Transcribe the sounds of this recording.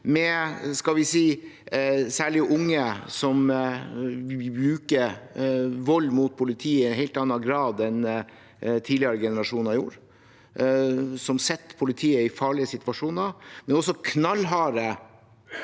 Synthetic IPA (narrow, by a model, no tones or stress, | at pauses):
mɛskɑlʋɪsiː | sæːɭɪʔʊŋːəsɔm | bɾʉːkə | ʋɔlːmuːt̪̚pʰʊlɪt̪ʰiːəɪnɦɛɪlt̪ɑnːɑɡɾɑːd̪ɛn | t̪ʰiːd̪lɪəɾəɡɛnəɾɑʂuːnɑɪjṵːɾ | sɔmsɛt̪ːpʰʊlɪt̪ʰiːəɪfɑːɭɪəsɪt̪ʋɑʂuːnəmɛnɔsːɔkʰnɑlɦɑːɾə